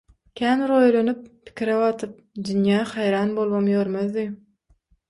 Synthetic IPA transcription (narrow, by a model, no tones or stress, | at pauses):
kʲʰæːnɾojlˠonyp̚pʰi̥kʲʰiɾeβɑt̪ʰɯp̚d̪ynjæːχɑjɾɑːnbolˠmomjøɾmøðːi